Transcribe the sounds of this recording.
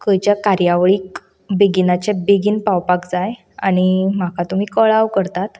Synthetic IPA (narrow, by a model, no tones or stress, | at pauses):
kəjt͡ɕjakaɾjaʋɭiːk | beɡinat͡ɕɛbeɡiːnpawpakd͡zaj | a̰ɽ̃im̤akʰat̪um̤iːkəɭaʋkəɾt̪at̪